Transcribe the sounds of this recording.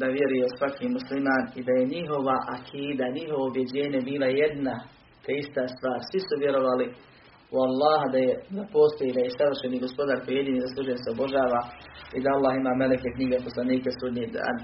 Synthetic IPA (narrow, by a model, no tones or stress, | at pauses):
d̪aʋjeɾujesʋakʰiːmuslimaːnid̪aje̞ɲiɦo̞ʋaʔakʰiːd̪aɲiɦo̞ʋo̞ubje̞d͡ʑe̞ːɲebiːlajed̪na | t̪ʰeist̪aːst̪ʋaːɾsʋisuʋjeɾo̞ʋaːli | ualːaːɦad̪ajenapo̞ːst̪ojelajesaʋr̩ʃeniːɡo̞spo̞d̪aːɾkojje̞d̪iːniːzaslˠuːʒenseobo̞ʒaːʋaːid̪aalːaːɦimaːmelekekɲiɡepo̞slˠaniːkasud̪ɲid̪a̰ːn